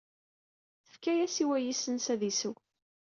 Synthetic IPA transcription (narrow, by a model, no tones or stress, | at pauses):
θə̥fkæjæsiwæjisənsæðisəw